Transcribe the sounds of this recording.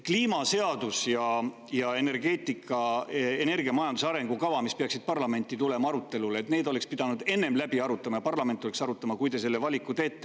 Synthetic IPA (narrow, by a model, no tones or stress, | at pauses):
kliːmɑse̞ɑd̪usjɑ | jɑe̞ne̞rɡe̞ːt̪ˑikʰːˑɑene̞rɡ̥iɑmɑjɑnd̪usɑɾe̞ŋɡ̥ukɑvɑmispeɑksid̪̥̚pɑrlɑme̞nʲt̪ːˑit̪ulemɑɑɾut̪ːˑe̞luleːt̪neːd̪ole̞kspid̪̥ɑnud̪̥e̞nːe̞mlæbiɑɾut̪ːˑɑmɑjɑpɑrlɑme̞nt̪ːˑo̞leksɑɾut̪ːˑɑmɑkujd̪e̞se̞lːe̞vɑlʲikːˑut̪e̞ːt̪ːˑe